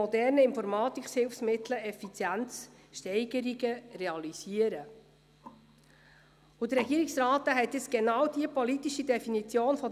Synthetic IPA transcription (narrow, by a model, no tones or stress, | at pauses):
ɔdɛɾnəɪnfɔɾmɑːt̪ikshɪlfsmɪt̪ləɛfit͡sjænt͡s | ʃtɛɪɡ̥əɾiɡəreɑliziəɾə | ud̥̪ərɾɛɡiːəɾiksrɑːt̪əɦɛt̪ːɪt͡sɡ̥enɑwd̥iəpɔlitiʃid̥ɛfinit͡sjoːnfɔ